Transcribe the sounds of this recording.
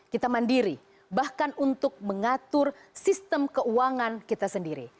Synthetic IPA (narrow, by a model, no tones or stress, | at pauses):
kit̪amandiɾi | bahkanunt̪ʊk̚məŋat̪ʊrsist̪əmkəuaŋankit̪asəndiɾḭ